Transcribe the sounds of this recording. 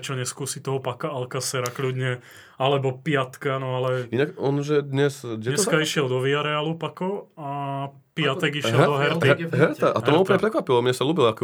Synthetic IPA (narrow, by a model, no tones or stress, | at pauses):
t͡ʃɔɲɛskuːsit̪ɔɦɔpakaalkasɛɾaklud̪ɲɛ | alɛbɔpɪat̪kanɔalɛinaɡɔnʒɛd̪ɲɛsɛɲɛskaiʃɪɛld̪ɔʋiaɾɛaːlupakɔa | pɪatt̪ɛɡiʃjɛld̪ɔɦɛɾt̪iɦɛɾt̪aʔat̪ɔmaupl̩ɲɛp̩ɾɛkʋapilɔmɲɛsaluːbilakɛ